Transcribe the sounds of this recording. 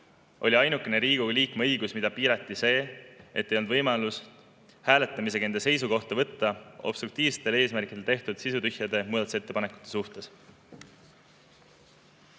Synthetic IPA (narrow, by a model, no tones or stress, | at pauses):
ʔo̞lʲiɑjnukːˑe̞ne̞ɾiːɡ̥uliːkmeɤjɡusmid̪̥ɑpiːɾɑt̪ˑːise̞ːe̞t̪ːe̞jond̪vɤjmɑlus | hæːle̞t̪ːˑɑmis̬e̞kend̪ese̞js̬uko̞ht̪ɑvɤ̞t̪ːɑo̞b̥st̪rukt̪iːvse̥t̪ːe̞leːsmærkid̪et̪e̞ht̪ud̪̥sisut̪yhjɑd̪e̞muːd̪̥ɑt̪usee̞t̪ːe̞pɑne̞kˑu̥t̪ˑːe̞suht̪e̞s